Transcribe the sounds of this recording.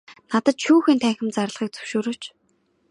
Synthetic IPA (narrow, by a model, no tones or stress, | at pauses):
nat̪ə̆t̪ʃuːxiːnt̪ʰæːŋxʲɪ̆mt͡sar̆ɮʁiːk̚t͡sɵ̥wʃoːɾɵːt͡ɕ